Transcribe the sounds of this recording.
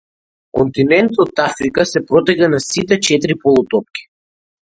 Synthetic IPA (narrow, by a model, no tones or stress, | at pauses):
kɔnt̪inɛnt̪ɔt̪afɾikasɛpɾɔt̪ɛkanasit̪ɛt͡ʃɛt̪ɾipɔlˠut̪ɔp̚kʲi̥